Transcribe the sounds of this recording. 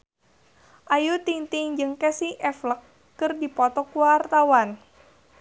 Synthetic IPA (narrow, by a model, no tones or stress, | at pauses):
ʔajut̪iŋt̪ɪŋd͡ʒɨŋkɛsiʔɛfləkː | ɨrdipɔt̪ɔkuwart̪awan